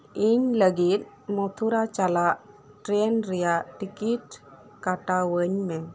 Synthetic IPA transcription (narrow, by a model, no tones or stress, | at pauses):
iɲləɡit̪̚ | mɔt̪ʰuɾat͡ʃalaʔ | ʈɾenɾɛjaʈikiʈ̚ | kaʈawəɲmɛ